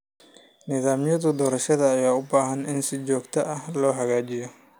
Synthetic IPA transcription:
nɪðaːmjɐðʊd̪ɔːɾɐʃɐðɐːjaːʊbaːɦɐnɪnsɪt͡ʃɔːɡt̪ʰɐʔɐhlɔːɦɐɣaːt͡ʃɪjɔ

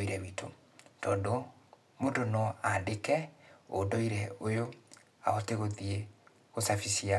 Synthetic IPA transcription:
iɾɛwitʰo̰ | tɔːndɔ | mondonɔaːndekɛo̰dɔiɾɛojo | a̰ɣɔteɣoðie | osafisia

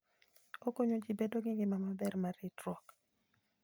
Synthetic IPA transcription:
okoɲod͡ʒɪbedoɡɪɡɪmamabɛrmaɾɪtɾwɔk

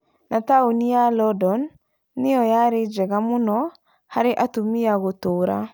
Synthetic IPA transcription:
nʔataonijalɔdɔnː | ɪjɔjaɾed͡ʒɛɣamʊnɔ | haɾeʔatumiaɣotoɾa̰

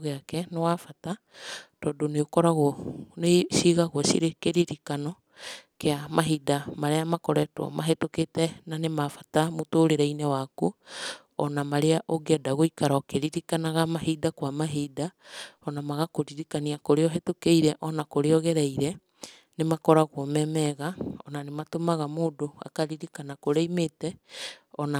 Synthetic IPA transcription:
ɣeakɛnewafata | tɔdoneokɔɾaɣɔneʃiɣaɣwɔʃiɾekeɾiɾikanɔ | keamaɦidamaɾeamakɔɾɛtw̰ɔ̰maɦetoketɛnanemafḁtamotoːɾeɾainɛwaku | ɔnamaɾeaʔoɡɛdaɣoikaɾaɔkeɾiɾikanaɣamahidakwamaɦidaɔnamaɣakoɾiɾikaniakoɾeɔɦetokeiɾɛʔɔnakoɾeɔɣɛɾaiɾɛ | nemakɔɾaɣwɔmɛmɛɣaɔ̰nanematomaɣamoːdoa̰kaɾiɾikanakoɾeimeːtɛɔna

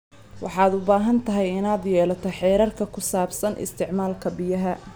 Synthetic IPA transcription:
wɑ̰ħɑːd̪ʊbaːɦɐnt̪ʰɐɦɛjɪnaːd̪jɛːlɐt̪ʰɔħɛːɾɐrkʰɐkʰʊsaːbsɐnʔɪ̰st̪ʰɪʕmaːlkʰɐbɪjɐɦɐ

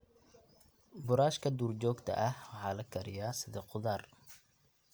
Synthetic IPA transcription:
bʊɾaːʃkʰɐd̪uːrt͡ʃɔːɡt̪ʰɐ̰ʔɐhwɑħɑːlɐkʰɐɾɪjaːsɪðiːqʊðaːr

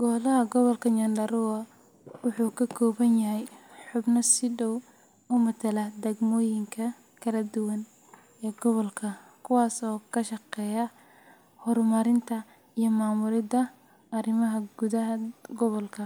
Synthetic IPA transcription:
ɡ̥ɔːlɐɦɐɡɔβɔlkʰɐɲɐndɐɾuɐ | wʊħuːkʰɐkʰɔːβɐnjɐɦɛjħʊbnɐsɪɖɔw | ʊmɐt̪ʰɐlɐd̪ɛɡmɔːjɪŋkʰɐ | kʰɐlɐd̪ʊwɐn | ɛːɡɔβɔlkʰɐkʰʊwɑːsɔːkʰɐʃɐqɛːjɐ | hɔrmɐɾɪnt̪ʰɐ | ijɔmaːmʊɾɪd̪ɐ | ɐrɪmɐɦɐɡ̥uðɐɦɐɡɔβɔlkʰɐ

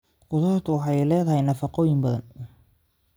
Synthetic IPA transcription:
ɡʊt̪ʰɔːrt̪ʰʊwɑħɑjlɛːðɐɦɛjnɐfɑqɔːjɪmbɐðɐ̰n

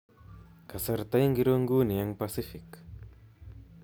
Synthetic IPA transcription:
kasaɾt̪ajŋɡɪɾoŋɡuniaŋpasɪfɪk

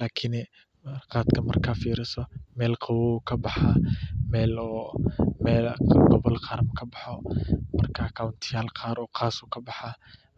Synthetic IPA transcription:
laːkʰɪn | rqɑːd̪kʰɐmɐrkʰaːfiːɾɪsɔmɛːlqʰɑwɔukʰɐbɑħaːmɛːlɔːmɛːlɡɔβɔlqɑɾmkʰɐbɑħɔmɐrkʰakʰawnt̪ʰɪjaːlqaːɾɔːqʰɑːsuːkʰɐbɑħaː

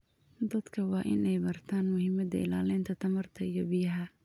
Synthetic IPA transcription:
d̪ɐd̪kʰɐwɑːʔɪnɛjbɐrt̪ʰaːnmʊhɪmɐd̪ɐ̰ɪ̰laːlɛːnt̪ʰɐt̪ʰɐmɐrt̪ʰɐijɔbɪjɐɦɐ

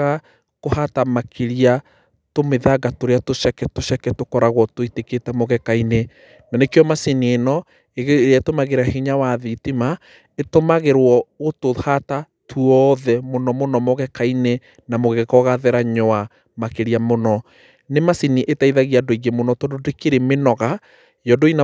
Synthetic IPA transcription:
ɣa | kohatamakʰeɾia | tomeðaɡatoɾeatoʃakɛtoʃakɛtokɔɾaɣwɔtoiteketɛmɔɣɛkaine | nanekeɔmasinienɔ | eɣeatomaɣeɾahiɲawaðitima | etomaɣeɾwɔotohata | tʰuɔðɛmonɔmonɔmɔɣɛkaine | namoɣekɔɣaðɛɾaɲɔa | makeɾiamonɔ | nemasiniʔetaiðaɣiadoiɣemonɔtɔdodekeɾemenɔɣa | jɔdoina

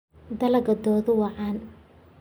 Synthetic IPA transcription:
d̪ɐlɐɣɐd̪ɔːðʊwɑʕɑːn

